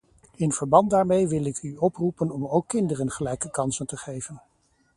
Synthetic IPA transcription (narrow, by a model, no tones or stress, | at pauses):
ɪnv̥əɹbɑnt̚daːɹmejʋɪlˠɪkyɔprupənɔmowkːɪndərənχəlɛjkəkɑnsəntəχejvən